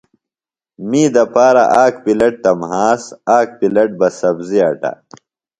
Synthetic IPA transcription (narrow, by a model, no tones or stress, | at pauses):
miːd̪ɐpaːɾɐʔaːkpilɐʈ̚t̪ɐmɦaːsaːk̚pilɐʈ̚bɐsɐbziɐʈa̰